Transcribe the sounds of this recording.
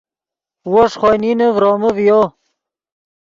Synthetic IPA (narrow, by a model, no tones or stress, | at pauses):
woʂχojninəvɾoməvjo